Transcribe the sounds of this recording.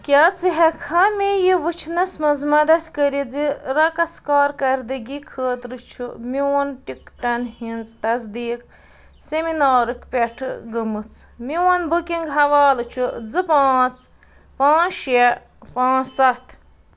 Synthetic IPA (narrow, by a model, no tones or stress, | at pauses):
kʲat͡siɦɛkʰɐmʲijiʋɨt͡ʃʰnɐsmɐzmɐd̪ɐt̪ʰʲkəɾid͡ziɾɐkɐskaːɾkɐɾd̪ɨɡʲikʰəːt̪ɾɨt͡ʃʰumiwonʈik̚ʈɐnhinzt̪ɐzd̪iːk | seminaːɾɨkʰpʲeʈʰɨ̰ɡɨmɨt͡sʰmiwɐnbukʲiŋɡɦɐʋaːlɨt͡ʃʰud͡zɨpãːt͡s | pãːʃje | pãːsɐt̪ʰ